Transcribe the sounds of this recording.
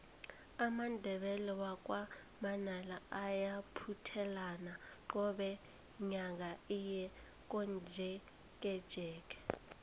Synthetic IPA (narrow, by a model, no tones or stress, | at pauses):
amandʱɛɓɛlɛwak̬wa | manalaajapʰutʰɛlanaǃɔɓɛ | ɲaŋ̬aijɛ | k̬und͡ʒʱɛ | k̬ʼɛd̥ʒ̥ʱɛːk̬ʼɛ̥